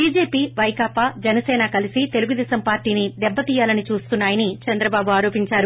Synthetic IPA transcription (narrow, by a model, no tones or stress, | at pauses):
biːd͡ʒeːpiːʋɐjkaːpaːd͡ʒɐnɐsɛːnɐkɐlisit̪e̞luɡud̪ɛːsɐmpaːɾʈiːnid̪ɛbːɐt̪iːjaːlɐnit͡ʃuːst̪unːaːjɐnit͡ʃɐnd̪ɾɐbaːbuaːɾo̞ːpiɲt͡ʃaːɾu